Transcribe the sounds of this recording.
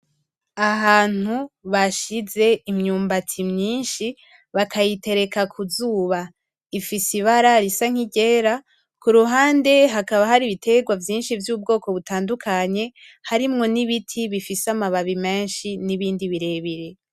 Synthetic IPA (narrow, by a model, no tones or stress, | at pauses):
aɦaːn̥uβaʃize̞imɲuːmbatʰimɲiːnʃi | βakʰajite̞ɾe̞kakʰuzuːβa | ifisiβaɾaɾisaŋ̥iɟe̞ːɾa | kuɾuɦaːnde̞ɦakaβaɦaɾiβitʰe̞ɡwavjiːnʃivjuːb̚ɡo̞ːko̞βutaːndukʰaɲe̞ | haɾimŋo̞niβitʰiβifisamaβaβime̞ːnʃiniβiːndiβiɾe̞βiɾe̞